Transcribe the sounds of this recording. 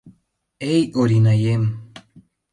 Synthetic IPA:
ejʔoɾinajem

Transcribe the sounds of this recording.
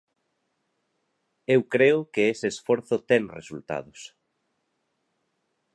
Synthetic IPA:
ewkɾeʊkeeseːsfoɾθʊt̪ɛŋrḛsult̪a̰ðʊs

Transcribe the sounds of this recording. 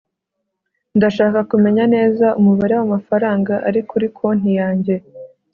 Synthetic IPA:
ndaʃaːkakume̞ɲane̞ːzaumuβaɾe̞wamafaɾaːŋɡaʔaɾikʰuɾikʰon̥ijaːɲɟe̞

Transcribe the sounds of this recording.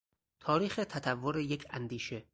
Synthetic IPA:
t̪ʰɒːɾiːxet̪ʰæt̪ʰævːoɾeje̞cʰænd̪iːʃe̞

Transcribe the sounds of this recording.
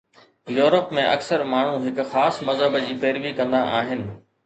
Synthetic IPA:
juːɾəpmẽʔɐ̰ksəɾmaːɳ̤ũɦɪk̆xaːsmɐzɦəbd͡ʑiːpeːɾʋikɐ̃nd̪aʔaːɦɪnɪ̆

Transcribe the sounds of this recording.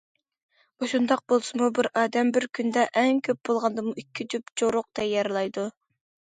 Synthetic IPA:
oʃund̪ɑq̚bolˠsɨmubɪɾʔɑːd̪ɛmbɪɾkʲʰynd̪ɛʔɛŋkʲʰøp̚bolˠʁɑnd̪ɨmuikʲʰːid͡ʒ̪ypt͡ʃʰoɾʊq̚d̪̥ɛjːɛɾlˠɑjd̪u

